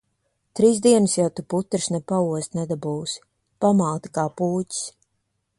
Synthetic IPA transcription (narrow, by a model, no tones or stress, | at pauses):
t̪ɾiːzd̪iɛnɨsjawt̪uput̪ːɾsnɛpauɔst̪nɛd̪abuːs | pamaːt̪ḁkaːpuːcʲs